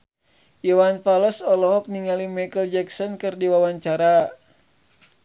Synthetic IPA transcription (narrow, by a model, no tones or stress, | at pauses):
jɔwanpaləsɔlɔɦɔk̚niŋalimakəld͡ʒɛksɔnkɨrdiwawaɲt͡ʃaɾa